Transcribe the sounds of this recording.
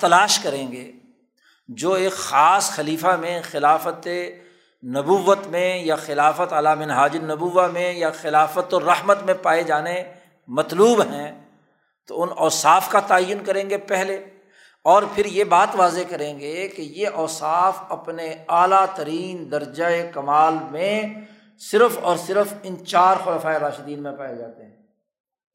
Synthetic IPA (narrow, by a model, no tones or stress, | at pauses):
t̪ɐlaːʃkɐɾẽːŋɡḛː | d͡ʒoːeːkxaːsxɐliːfamẽxɪlaːfət̪e | nɐbuːʋət̪mẽjaxɪlaːfət̪ɐlamɪ̃nɦaːd͡ʒɪnɐbuːʋːamẽjaxɪlaːfət̪oɾɐhmət̪mẽpaːed͡ʒaːne | mɐt̪luːbɦɛ̃ː | t̪o̰ʊnɔːsaːfkat̪aːəjːʊnkɐɾẽːŋɡepɛɦle | ɔːɾpʰɪɾjebaːt̪ʋaːzekɐɾẽːŋɡekejeʔɔːsaːfɐpneaːlat̪ɐɾiːnd̪ɐɾd͡ʒaekɐmaːlmẽ | sɪɾəfɔːɾsɪɾəfɪ̃nt͡ʃaːɾxʊlaːfaːeɾaːʃɪd̪iːnmẽpaːed͡ʒaːt̪eɦɛ̃ː